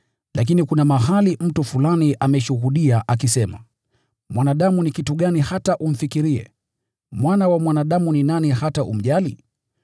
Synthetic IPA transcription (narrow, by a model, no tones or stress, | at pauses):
lʔak̬inikunamaɦalim̩tufulaniʔamɛʃuhuɗiaʔakisɛma | mwanaɗamunikituɠanihataʔum̩fikiɾiɛ̰ | mwanawamwanaɗamuninanihataʔṵm̩ʄali